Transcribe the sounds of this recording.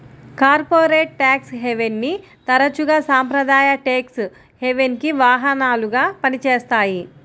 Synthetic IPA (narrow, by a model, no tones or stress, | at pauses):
kaːɾpoːɾeːʈ̚ːaːksɦeʋenːi | t̪ɐɾɐt͡ʃuɡaːsaːmpɾɐd̪aːjɐʈeːks | heʋenkiʋaːɦɐnaːluɡaːpɐnit͡ʃeːst̪aːji